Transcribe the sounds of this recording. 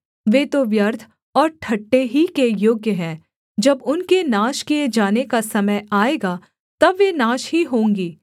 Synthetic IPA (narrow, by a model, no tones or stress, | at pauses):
ʋeːt̪oʋjɐɾt̪ʰ | ɔːɾʈʰɐʈːeɦikejoːɡjəɦɛ̃ː | d͡ʒɐbʊnkenaːʃkied͡ʒaːnekasɐməjaːeːɡaː | t̪ɐbʋenaːʃɦiɦõːŋɡiː